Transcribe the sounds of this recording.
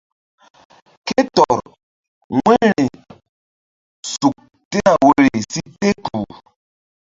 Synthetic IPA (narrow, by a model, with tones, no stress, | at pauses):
ke˦tɔ˨ɾ | ŋɛ˦ɾi˨ | su˨k̚ | te˦na˨we˦ɾi˨si˦te˦ku˨